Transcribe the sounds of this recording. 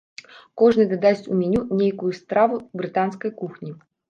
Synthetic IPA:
kɔʐnɨd̪ad̪asʲtʲumʲɛnʲunʲejkujust̪ɾavubɾɨt̪anskɐjkuxnʲi

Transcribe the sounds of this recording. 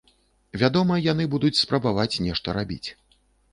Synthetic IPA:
vʲad̪ɔmɐjan̪ɨbud̪ut͡sʲspɾɐbavat͡sʲnʲɛʂt̪ɐɾabʲḭt͡sʲ

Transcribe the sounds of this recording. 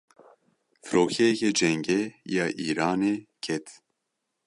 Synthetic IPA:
fɨɾoːkʰɛjɛkɛd͡ʒɛŋɡɛjɑːʔiːɾaːneːkʰɛt̪ʰ

